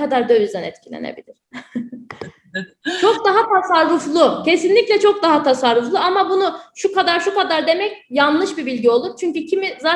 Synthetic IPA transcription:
ad̪aɾd̪ø̞vyzd̪ænɛ̰t̪cʰilʲḛnḛbilʲiɾ̥ | t͡ʃʰok̚d̪aɦat̪ʰasaɾːuflˠucʰesinlʲicʲlʲɛt͡ʃʰo̞k̚d̪aɦat̪ʰasaɾːuflˠuamabunuʃukad̪aɾʃukad̪aɾd̪e̞mɛcjanlˠɯʃbibilʲɟio̞lˠuɾt͡ʃʰyɲcycʰimizaː

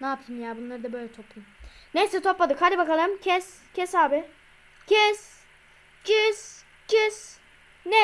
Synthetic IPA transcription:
naːp̚t̪ʰɯmjaːbunlˠaɾɯd̪abø̞jlʲɛt̪ʰo̞plˠumnejsɛt̪ʰo̞plad̪ɯkhald̪ʲibakalˠɯjmcʰɛs | cʰɛsaːbɪ | cʰɛs | cʰɛs | cɛs | nɛ

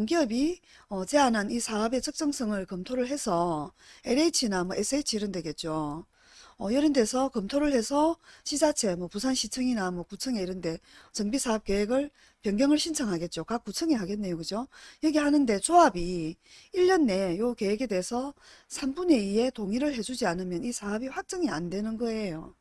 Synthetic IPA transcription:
oŋɡiʌbi | ʌt͡ɕe̞ananisʰaʌbe̞t͡ɕʰʌk̚t͡ɕ͈ʌŋsʰʌŋɯɭkʌmtʰoɾɯɭɦe̞sʰʌeɾeit͡ɕʰinamwʌʔes͈ʰɯet͡ɕʰiiɾɯndwe̞ɡe̞t̚t͡ɕ͈o | ʌjʌɾɯnde̞sʰʌkʌmtʰoɾɯɭhe̞sʰʌɕʰisat͡ɕʰe̞mwʌpusʰanɕʰit͡ɕʰɯŋinamwʌkut͡ɕʰɯŋe̞iɾɯnde̞t͡ɕʌŋbisʰaʌp̚k͈eɦeɡɯɭ | pjʌŋɡjʌŋɯɭɕʰint͡ɕʰaŋɦaɡe̞t̚t͡ɕ͈okak͈̚ːut͡ɕʰɯŋeɦaɡe̞nːe̞jokɯd͡ʑojʌɡehanɯnde̞t͡ɕoabi | iʎːʌnːe̞joke̞ɦeɡe̞de̞sʰʌ | sʰambune̞ie̞toŋiɾɯɭhe̞d͡ʑud͡ʑianɯmjʌnisʰaʌbiɸwak̚t͡ɕ͈ʌŋia̰ndwe̞nɯnɡʌe̞jo

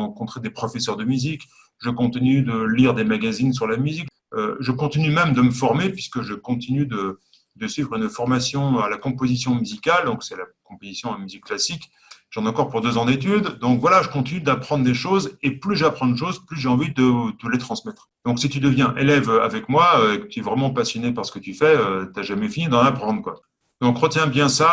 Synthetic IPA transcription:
ɑ̃kɔ̃t̪χed̪epχɔfɛsœʁd̪əmyzik | ʒəkɔ̃t̪inyd̪əliʁd̪emaɡazins̬yʁlamyzik | øʒəkɔ̃t̪inymɛmd̪əməfɔʁmepɥiskəʒəkɔ̃t̪inyd̪ə | d̪əsɥivʁynfɔʁmasjɔ̃alakɔ̃pozisjɔ̃myzikald̪ɔ̃ksɛlakɔ̃pozisjɔ̃amyzikːlasik | ʒɑ̃nɑ̃kɔʁpuʁd̪øzɑ̃d̪et̪̬yd̪d̪ɔ̃kvwalaʒəkɔ̃t̪inyd̪apχɑ̃d̪ʁd̪eʃozeplyʒapχɑ̃d̪eʃozplyʒeɑ̃vid̪əd̪əlet̪χɑ̃smɛt̪χd̪̥ɔ̃ksit̪yd̪əvjɛ̃ʔelɛvøa̰vɛkmwaøekət̪ʰyɛvʁɛmɑ̃pasjɔnepaʁsə̥kət̪yfɛøt̪yaʒamɛfinid̪ɑ̃napχɑ̃d̪ʁkwa̰ | d̪̥ɔ̃kʁət̪jɛ̃bjɛ̃sa

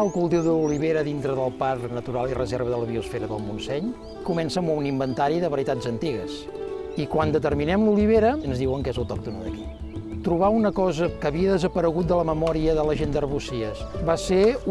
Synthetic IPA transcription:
əlˠkulˠt̪eðəuliβeɾəðint̪ɾəðəlˠparnət̪uɾalˠirəzeɾβəðələβiusfeɾəðə̰lˠmunsɛɲ | kumɛnsəmunimbənt̪aɾiðəβəɾit̪azənt̪iɣəs | ikwand̪ət̪ərminɛmluliβ̞eɾəənzðiwəŋkezəwt̪ɔk̚t̪unə̰ðə̰ki̥ | t̪ɾuβ̞aunəkɔzəkəβiəðəzəpəɾəɣut̪̚d̪ələməmɔɾiəðələʒend̪ərβusiəsbase

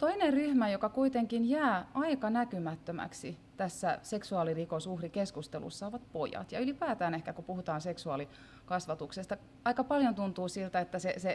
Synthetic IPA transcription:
t̪oineryhmæjokɑkuit̪eŋkinjæːɑikɑnækymæt̪ːømæ̰ksit̪æsːæseksuɑːlirikosuhrikeskust̪elṵsːɑoʋɑt̪pojɑ̰t̪jɑylipæːt̪æːnehkækupuhut̪ɑːnseksuɑːli | kɑsʋɑt̪uksest̪ɑ | ɑikɑpɑljont̪unt̪uːsilt̪æet̪ːæsese

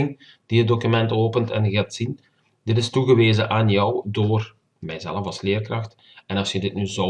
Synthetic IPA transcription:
ɪŋ | d̥iɦət̚dokymɛntoːpəntɛ̰nɣatsin | d̥ɪtɪstuɣəʋeːzəʔaːnjɔwdoːr | mɛjzɛləfɑslɪːrkrɑxt | ɛnɑsjədɪt̚nyzo

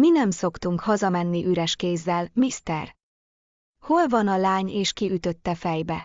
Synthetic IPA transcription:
minɛmso̞kt̪uŋkhɒzɒmɛnːiʔyɾɛʃkeːzːɛlmist̪ɛ̰r | ho̞lvɒnɒlaːɲeːʃkiyt̪ø̞t̪ːɛfɛjbɛ

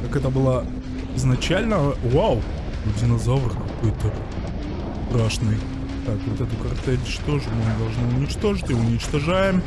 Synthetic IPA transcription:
kakɛt̪əbɨlˠa | ɪznɐt͡ɕælʲnəwawʲ | ʊdʲɪnɐzavrkːɐkojt̪ə | st̪raʂnɨj | t̪akvot̪ɛt̪ʊkɐrt̪ɛlʲt͡ʃt̪o̞ʐɨmʲomʲd̪ɐlˠʐnɨʊnʲɪt͡ɕt̪o̞ʐɨtʲɪʊnʲɪt͡ɕt̪ɐʐajɪm

